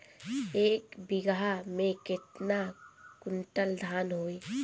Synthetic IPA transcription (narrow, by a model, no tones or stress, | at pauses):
eːkbɪɡamẽkɪt̪nakʊɳʈəld̪ʱaːnɦoːe